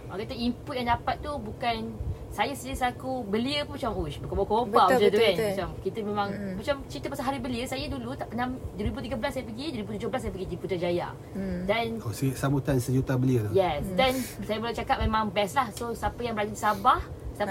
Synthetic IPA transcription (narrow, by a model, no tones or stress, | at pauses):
ɔkat̪əimput̪̚jaŋdapat̪̚ːubukansajasəndiɾisakubəliəpumat͡ʃamuʃbəkabakobamaat̪ukanmat͡ʃamkit̪əmẽmãŋmat͡ʃamt͡ʃɾit̪əpasalɦaɾibəliəsajədulut̪apənamdəɾibut̪iɡabəlasːajəpəɡidəɾibut̪ud͡ʒʊhbəlasajapəɡidiput̪ad͡ʒaja̰ | danossambut̪ansəd͡ʒut̪abəliəlajɛsdɛnsajaməlat͡ʃakap̚memãŋbɛslahsosapəjaŋbəɾad͡ʒadisabah | sta